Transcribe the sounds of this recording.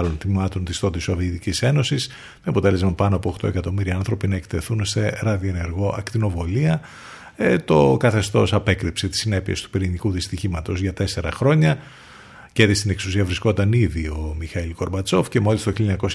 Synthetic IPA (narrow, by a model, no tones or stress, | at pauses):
lonθimɐt̪o̞nt̪ist̪o̞t̪iso̞viit̪icise̞no̞sis | meɐpo̞t̪e̞le̞zmɐpɐnoɐpo̞ːxt̪o̞e̞kɐt̪o̞miɾiɐnθɾo̞pinɐekt̪e̞θunse̞ɾɐðioene̞ɾɣo̞ʔɐkt̪ino̞vo̞liɐ | t̪o̞kɐθe̞st̪o̞sɐpe̞kɾipse̞t̪i̥sine̞pie̞st̪u̥piɾinikuðist̪içimɐt̪o̞zʝɐt̪e̞se̞ɾɐ̰xɾo̞ɲɐ | ceðist̪ine̞ksusiɐvɾisko̞t̪ɐniðio̞mixɐilko̞ɾbɐt͡sofce̞molist̪oçiljoɲɐko̞s